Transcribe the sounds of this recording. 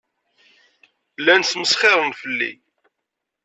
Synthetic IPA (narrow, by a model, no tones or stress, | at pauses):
lːænsməsχɪɾˤənfəlːḭ